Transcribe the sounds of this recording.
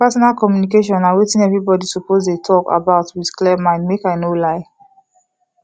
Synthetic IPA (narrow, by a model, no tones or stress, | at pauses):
pɛsɔnalkɔmjunikeʃ̬ɔ̃naɪwetĩnɛvɹibɔdisɔpozdetʰɔka̰baʊtwidklɛmãɪ̃ndmekaɪnolaɪ